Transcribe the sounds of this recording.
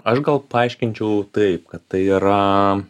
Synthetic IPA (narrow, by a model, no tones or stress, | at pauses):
ɐʃɡɐlˠpɐɐɪʃʲkʲɪnʲt͡ʃʲɛʊt̪ɐɪp̚kɐt̪t̪ɐɪiɾɐ